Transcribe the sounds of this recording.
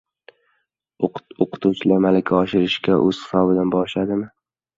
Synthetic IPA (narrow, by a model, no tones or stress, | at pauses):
oqʰɨ̥t̪ʰut͡ʃʰlamalakʲʰaɒʃɪɾɪʃkʲaʔɵz̥hɪ̥sɒbɪd̪anbɒɾʃad̪ɪmɪ